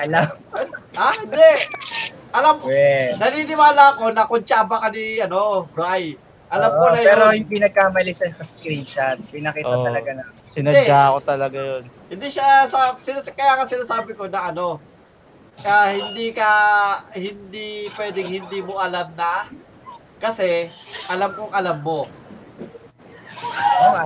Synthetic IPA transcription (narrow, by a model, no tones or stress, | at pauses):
ʔɐlamʔahɪnd̪ɛʔ | ʔɐlamkɛnɐniːnɪwaːlɐɐko̞nɐkʊnt͡ʃaːbɐkɐniʔɐno̞ʔɾaj | ʔɐlamkoɐjpɛːɾojʊŋpɪnɐɡ̚kaːmɐlɪsɐsɐsk̪ɾinʃɐt̪̚pɪnɐkiːɐt̪ɐlɐɡanɐ | sɪnɐɛd̪akot̪ɐlɐɡajonhɪnd̪iːʃasɐsɪnakɐjaːŋɐsɪnaːsaːbɪko̞nɐʔɐno̞ | ʔahɪnd̪iːkɐhɪnd̪ipwɛːd̪ɪŋhɪnd̪iːmo̞ʔɐlamnɐ | kɐsɛʔɐlamkoŋʔɐlamːo̞